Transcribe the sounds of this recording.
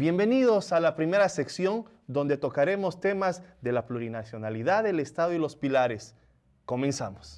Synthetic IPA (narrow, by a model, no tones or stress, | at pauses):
bje̞mbe̞niðo̞salapɾime̞ɾase̞ksjo̞n | d̪o̞nd̪e̞t̪o̞kaɾe̞mo̞st̪e̞mazðe̞lapluɾinasjo̞naliðaðelest̪aðoilo̞spilaɾes | ko̞mẽ̞nsamos